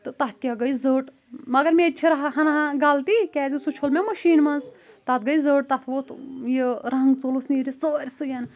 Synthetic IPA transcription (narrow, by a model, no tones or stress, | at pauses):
t̪ɨt̪ɐt̪̚ʰkʲaɡɐjzəːʈ | mɐɡɐɾmet͡ʃʰiɾɐɦɦɐnɐɦãɡaːlt̪ikʲɛːzisut͡ʃʰolmʲemɐʃiːnmɐnz | t̪ɐt̪̚ɡɐjzəːʈ̚t̪ɐt̪ʰʋot̪ʰjeɾɐɦŋɡt͡solusniɾʲisəːɾʲsɨjan